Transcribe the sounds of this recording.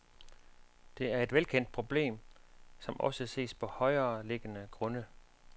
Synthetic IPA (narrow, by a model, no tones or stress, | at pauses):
d̥e̝æɐe̝d̥ʋelkʰen̰d̥̚pʰʁo̝b̥le̝̰ːmsɒ̽mʔɒ̽səse̝̰ːspʰɒ̽hɒ̽ɪɐːle̝ɡ̥ənəɡ̥ʁɔ̽nə